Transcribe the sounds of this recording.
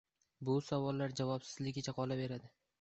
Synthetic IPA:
bʊsavɒlːaɾd͡ʒavɒpsɪzlɪɡʲɪt͡ʃʰaqʰɒlabe̞ɾad̪ɪ

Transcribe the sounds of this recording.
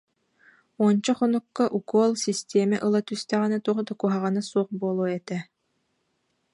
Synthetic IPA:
uɔnt͡ɕɔχɔnukːaʔukuɔlˠsist̪ʲeːmɛʔɯlˠat̪yst̪ɛʁinɛt̪uːʁd̪akuɦaʁɯnasuɔχbuɔlˠuɔɛt̪ɛ

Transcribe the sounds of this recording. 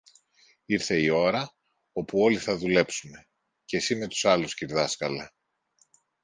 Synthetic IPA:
iɾθe̞io̞ɾɐ | o̞puo̞liθɐðule̞psume̞ | ce̞sime̞t̪u̥sɐlusciɾðɐskɐlɐ

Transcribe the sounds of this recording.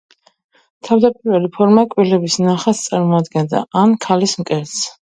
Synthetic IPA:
t̪ʰavd̪apʼiɾvɛlipʰɔɾmakʼwilɛbisnaχast̪sʼaɾmɔad̪ɡɛnd̪a̰ʔankʰalismkʼɛɾt̪s

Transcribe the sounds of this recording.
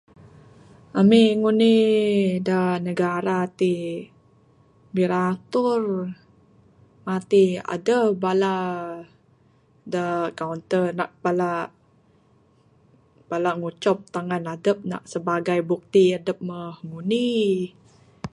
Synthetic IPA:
ʔamiŋuni | dənəɡaɾat̪i | biɾat̪ʊr | mat̪ia̰dəbala | dəkawnt̪ənaʔpalaʔ | b̥alaŋut͡ʃɔp̚t̪aŋanadəp̚na̰ʔsəbaɡajbuk̚t̪iadəp̚məhŋuni

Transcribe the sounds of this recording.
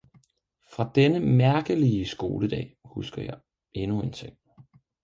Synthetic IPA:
fʁɑ̈d̥enəmæɐɡ̥əliəsɡ̥o̝ːləd̥ɛ̰ːhusɡ̥ɐjɑ̈ɪ | e̝nue̝nt͡sʰeŋ̰

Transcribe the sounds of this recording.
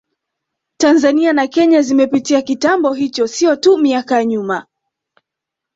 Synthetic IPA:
tanzanianakɛɲazimɛpitiakitambɔɦit͡ʃɔsiɔtumiakajaɲuma

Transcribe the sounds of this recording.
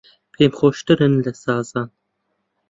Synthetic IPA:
pʰeːmχʷoːʃtʰɨɾɨnɮɐsaːzaːn

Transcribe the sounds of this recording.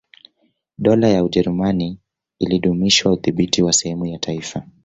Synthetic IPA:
ɗɔlajauʄɛɾumani | iliɗumiʃwauθiɓitiwasɛhɛmujatʰaifa

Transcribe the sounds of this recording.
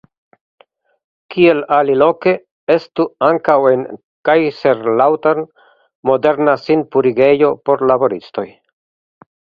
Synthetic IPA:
kie̞lalilo̞ke̞ | e̞stuaŋkawe̞n | kajse̞ɾlawteɾn | mo̞de̞ɾnasinpuɾiɡe̞jo̞po̞ɾlabo̞ɾisto̞j

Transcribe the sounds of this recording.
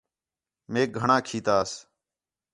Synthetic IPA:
meːk̚ɡʱəɳãːkʰiːt̪aːs

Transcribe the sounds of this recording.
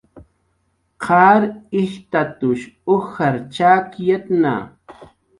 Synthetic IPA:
qʰaːɾɪht̪at̪ʊʃʊxaɾt͡ʃaːkjet̪na̰

